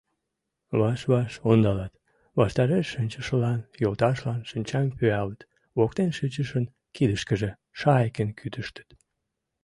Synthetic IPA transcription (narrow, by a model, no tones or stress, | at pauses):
βɑʃβɑʃond̪ɑlɑt̪ | βɑʃt̪ɑɾeʃːənʲt͡ɕəʃəlɑnjolt̪ɑʃlɑnʃənʲt͡ɕɑmpyɑlt̪ | βok̚t̪enʃət͡ɕəʃən | kid̪əʃkəʒe | ʃɑekənkʰyt̪əʃt̪ə̥t̪